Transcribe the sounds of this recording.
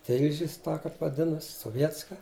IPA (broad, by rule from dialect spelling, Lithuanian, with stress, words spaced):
ˈtʲɪlʲʒʲɪs tɑː ˈkɐp ʋɐˈdʲɪnɐs soːˈʋʲiɛtskɐ